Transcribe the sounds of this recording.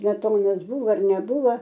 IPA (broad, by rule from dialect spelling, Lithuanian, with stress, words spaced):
sʲmʲɛˈtoːnɐs ˈbuːʋoː ɐr nʲɛˈbuːʋɐ